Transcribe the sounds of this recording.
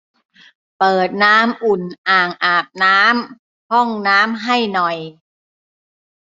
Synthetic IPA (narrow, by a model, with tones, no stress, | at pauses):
pɤː˨˩t̪̚naː˦˥mʔu˨˩nʔaː˨˩ŋʔaː˨˩p̚naː˦˥m | hɔ˥˩ŋnaː˦˥mɦa˥˩jnɔ˨˩j